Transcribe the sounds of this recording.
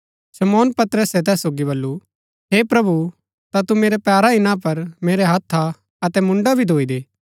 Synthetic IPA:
ʃɐmɔːnpɐt̪ɾəsɛt̪ɛːsːoːɡiβɐlːu | ɦeːpɾɐbu | t̪at̪umeːɾɛpaːɾaɪnãpɐɾmeːɾeɦɐt̪ʰːa | ɐt̪ɛmʊ̃ɳɖabʱid̪ʱoːid̪eː

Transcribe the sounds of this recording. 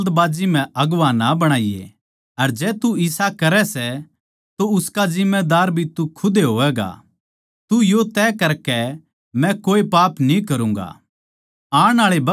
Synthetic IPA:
d̪baːd͡ʒimɛ̃ʔɐɡʋanabɐɽ̃aːijḛ | ɐɾd͡ʒɛːt̪uɪsakɐɾɛsɛ | t̪oʊskad͡ʒɪmːed̪aːɾbʱit̪ukʰʊd̪eɦoːʋɛːɡa̰ | t̪ujot̪ɛːkɐɾkɛ | mɛ̃koːepaːpnĩkɐɾũːŋɡa̰ː | aːɽ̃aːɭebɐ

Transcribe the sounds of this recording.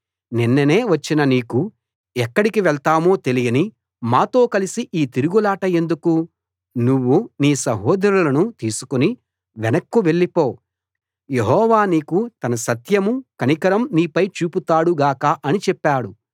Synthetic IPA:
ninːɐneːʋɐt͡ʃːinɐniːku | ɛkːɐɽikiʋɛɭt̪aːmo̞ːt̪e̞lijɐni | maːt̪o̞ːkɐlisiʔiːt̪iɾuɡulaːʈɐe̞nd̪uku | nuʋːuniːsɐɦɔːd̪ɐɾulɐnut̪iːsu̥kuni | ʋɛnɐkːuʋe̞ɭːipoː | je̞ɦɔːʋaːniːkut̪ɐnɐsɐt̪jɐmukɐnikɐɾɐmniːpɐjt͡ʃuːput̪aːɽuɡaːkaːʔɐnit͡ʃɛpːaːɽu

